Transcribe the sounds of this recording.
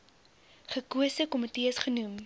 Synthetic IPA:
χəkuəsəkɔmətiəsχənum

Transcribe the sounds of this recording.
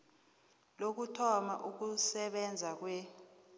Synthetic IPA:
lok̬utʰɔmaʔuk̬usɛɓɛnd͡zʱak̬wɛ

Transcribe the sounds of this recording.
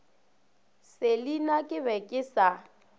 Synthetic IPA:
sɪlinakʼɪbɛkʼɪsa

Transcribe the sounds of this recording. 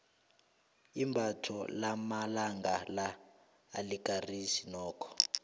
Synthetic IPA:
imbʱatʰɔ̰lamalaŋɡalaː | likarisinɔːkʰɔ̥

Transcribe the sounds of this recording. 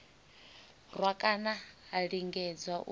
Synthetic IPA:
rwakʼanaːɺiŋɡɛd͡zwaʔṵ

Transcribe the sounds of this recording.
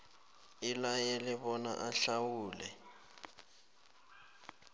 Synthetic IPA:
ilajɛlɛɓɔna̰ʔaɬawuːlɛ

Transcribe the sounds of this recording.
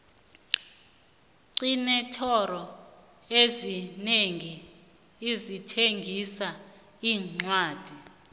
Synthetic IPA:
ǀinɛtʰɔrɔ | ezineŋiː | zitʰeŋɡʱisa | iːŋ͡ǀwaːd̥ʱi

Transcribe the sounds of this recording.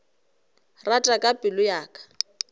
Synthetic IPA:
ratʼakʼapʼɪlʊjaːkʼḁ

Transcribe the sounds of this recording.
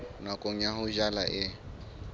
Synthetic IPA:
nakʼoɲaɦʊʒalaʔɪ

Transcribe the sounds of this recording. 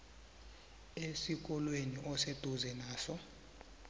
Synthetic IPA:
esik̬ʼɔlweniʔɔsed̥ʱuzɛnaːsɔ

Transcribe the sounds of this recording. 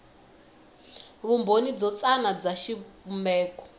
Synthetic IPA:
βumbonid͡zɔt͡sanad͡zaʃiβumɛːkɔ̥

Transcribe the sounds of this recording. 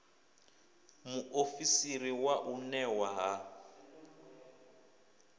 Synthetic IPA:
muʔofisiriwaʔunɛwaɦa

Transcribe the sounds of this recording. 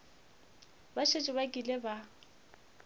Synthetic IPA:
baʃet͡ʃʼɪβakʼileba

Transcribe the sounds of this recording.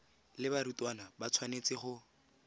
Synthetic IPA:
lɪbaɾutwanabat͡sʰwanet͡sɪχʊ

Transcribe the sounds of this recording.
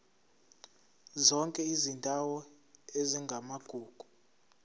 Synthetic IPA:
zɔŋkʼɛizindʱawɔ | eziŋɡʱamaɡ̥ʱuːɡ̥ʱu̥

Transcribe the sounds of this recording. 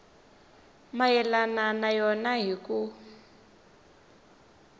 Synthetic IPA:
majɛlananajɔnaɦiku

